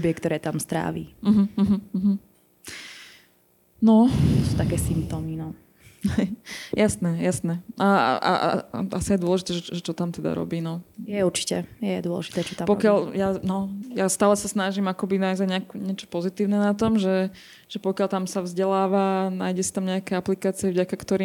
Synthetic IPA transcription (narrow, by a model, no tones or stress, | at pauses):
bjɛkt̪ɔɾɛːt̪amst̪ɾa̰ːʋḭm̩ɦ̩ɦm̩ːɦm̩ | nɔt̪ɔsut̪akɛːsimp̚t̪ɔːminɔ | ɦɛjjasnɛjasnɛa̰a̰ʔasijajd̪ʊɔlɛʒit̪ɛːʒɛʒɛt͡ʃɔt̪amt̪ɛd̪a̰ɾɔ̰biːnɔjɛuɾt͡ʃi̥cɛjɛd̪ʊɔ̰lɛ̰ʒi̥t̪ɛːt͡ʃɔt̪ampɔkɪaʎjanɔjast̪aːlɛsasnaʒimakɔbinajzaɲɛakuɲɪɛt͡ʃɔ̥pɔzit̪iːʊnɛnat̪ɔmʒɛ | ʒ̥ɛpɔkɪjalt̪amsaʋvzɟɛlaːʋanaːjɟɛsḁt̪amɲɛakɛaplikaːt͡siɛvɟakakt̪ɔɾiː